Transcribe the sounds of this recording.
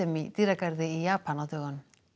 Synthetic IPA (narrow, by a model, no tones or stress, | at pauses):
emit̪iɾakaɾd̪eijapanot̪eɣon